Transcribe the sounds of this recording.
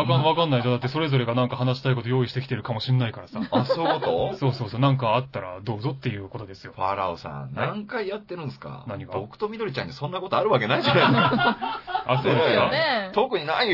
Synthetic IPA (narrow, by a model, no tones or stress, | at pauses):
akaβakanːaidanakɯt̪ːeso̞ɾe̞zo̞ɾe̞ɡanãŋkahanaɕi̥t̪aiko̞t̪o̞jo̞ːiɕi̥t̪e̞kʲi̥t̪e̞ɾɯ̟kamo̞ɕinːaikaɾasaasoːkot̪oso̞ːso̞ːsoːnãŋkaːt̪ːaɾa̰d̪o̞ːzo̞t̪ːe̞jɯ̟ːko̞t̪o̞d̪e̞sɨ̥jo̞ɸaɾa̰osã̰nãŋkaijat̪ːe̞ɾɯ̟̃nsɨ̥ka̰naɲ̟iɡao̞kɯ̟̥t̪o̞mʲid̪o̞ɾʲit͡ɕã̰ɲ̟ːisõ̞nːako̞t̪oaɾɯ̟βak̬e̞naid͡ʑanask | asoːd̪esat̪okɯ̟ɲ̟inai